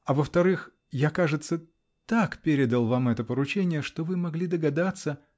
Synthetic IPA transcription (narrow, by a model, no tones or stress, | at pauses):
ɐvəft̪ɐɾɨx | jakaʐɨt̪sə | t̪akpʲeɾʲɪd̪əlˠvamɛt̪əpəɾʊt͡ɕenʲɪjəʂt̪ovɨmɐɡlʲid̪əɡɐd̪at̪sə